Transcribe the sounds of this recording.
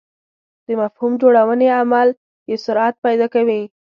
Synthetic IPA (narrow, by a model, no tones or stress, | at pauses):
d̪̥əmafhumd͡ʒoɽawəneamal | jesʊɾat̪̚pɑjd̪ɑkawi